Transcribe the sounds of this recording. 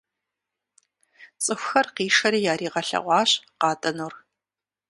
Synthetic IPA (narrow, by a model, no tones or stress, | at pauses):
t͡sʼɨxʷxɐrqiːʂɐɾiːjaːɾiːʁɐɬɐ̰ʁʷɑːɕqɑːtʼɐnuːr